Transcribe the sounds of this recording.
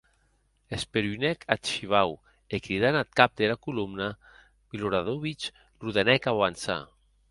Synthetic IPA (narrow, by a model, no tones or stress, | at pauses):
espeɾynɛkʰat̪ʃiβ̞aw | ekɾiðanat̪̚kap̚d̪elakulumna | biluɾaðoβit͡ʃ | ruðanɛkaβansa̰